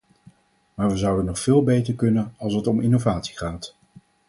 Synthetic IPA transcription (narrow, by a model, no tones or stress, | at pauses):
maːɹʋəzʌwdənɔχfɪːlˠbejtəɹkɵnənɑlˠsətɔmɪnovaːtsi̥χaːt